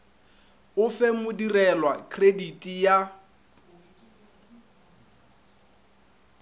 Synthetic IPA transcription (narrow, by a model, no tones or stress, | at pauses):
ʊfemʊdirɛlwakʰʼreditʼija